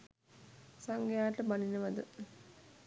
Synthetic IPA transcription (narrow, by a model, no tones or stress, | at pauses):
saŋɡejaːʈəbaninəʋad̪ə